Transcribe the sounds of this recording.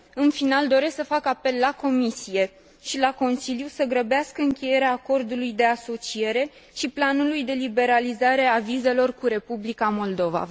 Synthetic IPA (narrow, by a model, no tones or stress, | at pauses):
ɨnfinald̪o̞ɾe̞sksəfakape̞lːako̞misije̞ | ʃilako̞nsiljusəɡɾəbeaskəɨŋkʲe̞je̞ɾeaːko̞rd̪ulujd̪e̞aso̞t͡ʃie̞ɾe̞ | ʃiplanulujd̪e̞libe̞ɾalizaɾe̞avize̞lo̞rkuɾe̞publikamo̞ld̪o̞va̰